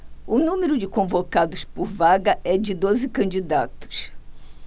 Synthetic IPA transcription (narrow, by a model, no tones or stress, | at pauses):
ʊnũmeɾʊd͡ʒɪkõvokad̪ʊspʊɾvaɡɐɛd͡ʒɪd̪ozɪkɐ̃nd͡ʒid̪at̪ʊ̥s